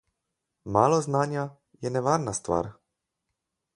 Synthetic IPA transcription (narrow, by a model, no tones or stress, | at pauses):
maːlɔznaːnja | jɛnɛʋaːɾnast̪ʋa̰ːɾ